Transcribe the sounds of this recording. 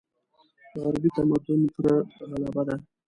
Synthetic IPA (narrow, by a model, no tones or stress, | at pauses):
ɣaɾbit̪amat̪ʊnpəɾaɾalɑbad̪a